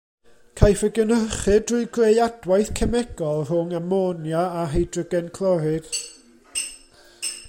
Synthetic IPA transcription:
kʰajfəɡənərχɨdrʊɨɡrejad̥wajθkʰɛmɛɡ̥ɔlˠr̥ʊŋamɔnjaaɦejdrəɡɛnkʰlˠɔɾɪd̥

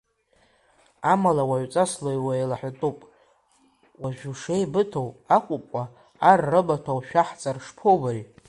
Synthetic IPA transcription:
amalawaʕʷt͡sʼaslojwaelaħatʼupʼ | waʒᶣuʂejbɨtʰowakʷʼʊpʼaː | rːɨbatʰawʃᶣaħt͡sʼarʂpʰobaɾi

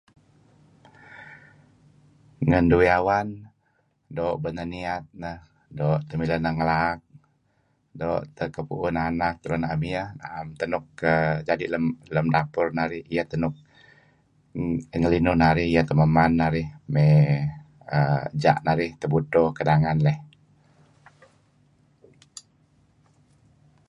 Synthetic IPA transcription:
ŋənduiawan | doːʔbənəniat̪̚nəh | doːʔt̪əmilənəhŋəlaːk̚ | doʔt̪əkəpṵʔʊnanak̚t̪əɾunaʔəmiəhna̰ʔəmt̪ənʊkːəd͡ʒadiʔləmləmdapʊrnaɾɪhijəht̪ənʊk̚ | əŋəlinʊhnaɾɪhijət̪əməmanːaɾɪhme | əəd͡ʒa̰ʔnaɾɪht̪əbut̪okədaŋanlɛh

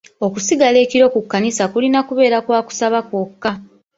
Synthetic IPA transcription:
o̞kusiɡale̞ːciɾo̞kukːanisakulinakuβe̞ːɾakwaːku̥saβakwokːa

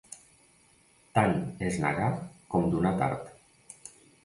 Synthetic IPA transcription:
t̪anezna̰ɣakɔmd̪unat̪a̰ɾt̪

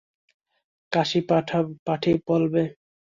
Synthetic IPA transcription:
kaʃipaʈʰpaʈʰipɔlbe

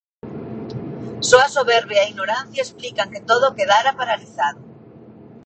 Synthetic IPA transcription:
soasoβeɾβeaiɣnoɾan̟θjaesplikaŋk̪et̪oðokeðaɾapaɾaliθaðo

